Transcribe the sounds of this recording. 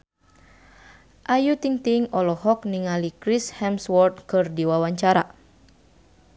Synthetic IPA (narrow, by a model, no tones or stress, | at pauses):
ʔajut̪iŋt̪iŋɔlɔhɔk̚niŋalikɾishɛmswɔrt̪̚kɨrdiwawaɲt͡ʃaɾa